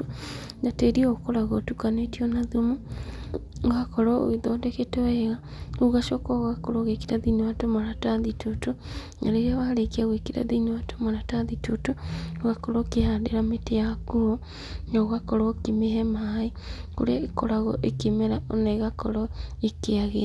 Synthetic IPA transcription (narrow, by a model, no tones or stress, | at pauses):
nateɾiookoɾaɣɔtukanetiɔnaðumo | ɣakɔɾɔo̰iðɔdeketɔɛɣa | oɣaʃɔkɔɣakoɾɔɣekiɾaðiniwatomaɾataðitʰoto | na̰ɾeɾeaβaɾekiaɣwekiɾa̰ðinewatomaɾataðitotooɣakɔɾɔkehadeɾametejakuo | noɣakɔɾɔkemehɛmae | ko̰ɾeaekoɾaɣɔʔekemeɾaonaiɣakɔɾɔekeaɣḛa